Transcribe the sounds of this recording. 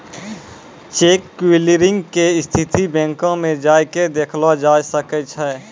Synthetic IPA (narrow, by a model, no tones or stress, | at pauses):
t͡ʃeːkːiliɾɪ̃ŋɡkeɪst̪ʰɪt̪ibɛ̃ːŋkõmẽd͡ʒaːjked̪eːkʰlad͡ʒaːjsəkət͡ʃʰɛː